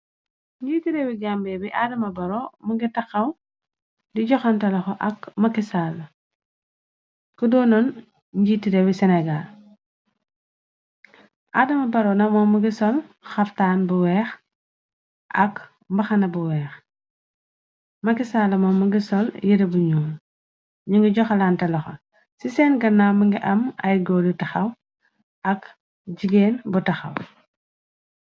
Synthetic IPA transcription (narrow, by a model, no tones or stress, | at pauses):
ɲɟiːtiɾɛwiɡambɛbiʔadɐmɐbɐɾɔmuɡitɐxɐw | diɟɔxɔntɐlɐxɔʔɐkmɐkisalɐ | kədɔnɔn | ɲɟiːtiɾɛwisɛnɛɡal | ʔadɐmɐbɐɾɔnɐmɔmuɡisɔlxɐftaːnbuwɛːx | ʔɐk | mbɐxɐnɐbuwɛːx | mɐkisaːlɐmɔmuɡisɔljiɾɐbuɲɔːn | ɲuŋɡiɟɔxɐlantɐlɐxɐ̰ | sisɛnɡɐnːawmɐŋɡiʔɐmɐ̰jɡɔdutɐxɐw | ʔɐk | ɟiɡɛːnbutɐxɐ̰w